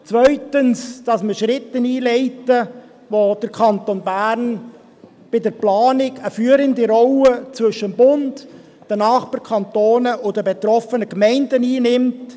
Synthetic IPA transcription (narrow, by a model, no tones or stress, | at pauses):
t͡svœʏtənsd̥ɑsməʃɾɪtəniːlɛɪtə | ʋod̥əɾkʰɑntonbæːɾn | b̥ɪdəɾplɑːnɪɡəfyːəɾəndiɾɔwət͡svʏʃəmbʊnt | d̥ənɑːχb̥əɾkʰɑntoːnəʔʊdəbet̪ɾɔfənəkmɛɪndəniːnɪmt